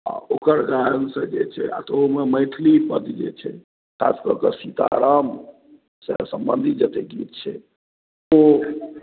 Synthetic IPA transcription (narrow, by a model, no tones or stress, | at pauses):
a̰okəɾɡansə̃d͡ʒet͡ʃʰɛa̰t̪oɦmeməɪt̪ʰlipəd̪d͡ʒḛt͡ʃʰɛ | kʰaskəɾkəsit̪a̰ɾəm | səsəmbə̃nd̪ʱid͡ʒət̪eɡit̪̚t͡ʃʰɛ | o